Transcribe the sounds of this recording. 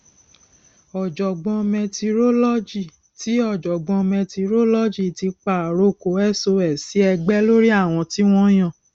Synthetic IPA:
ɔ˨d͡ʒɔ˨ɡ͡bɔ̃˧mɛ̃˧ti˧ɾo˦lɔ˦d͡ʒi˨ | ti˨˦ɔ˦˨d͡ʒɔ˨ɡ͡bɔ̃˧mɛ̃˧ti˧ɾo˦lɔ˦d͡ʒi˦˨ti˧k͡pa˨ɾo˦˨ko˨˦ɛ˦˨so˧ɛ˨si˨˦ɛ˧ɡ͡bɛ˦lo˦ɾi˦a˦˨w̃ɔ̃˧ti˦w̃ɔ̃˦j̃ã˦˨

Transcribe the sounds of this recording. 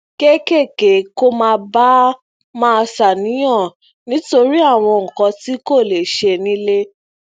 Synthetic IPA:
ke˦ke˦˨ke˨˦ko˦mãː˧ba˦ | mãː˦˧sa˨nĩ˨˦j̃ɔ̃˦˨ | nĩ˨˦to˧ɾi˦a˦˨w̃ɔ̃˧ŋ̩˨kɔ̃˨˧ti˦ko˦˨le˨ʃe˧nĩ˦le˦

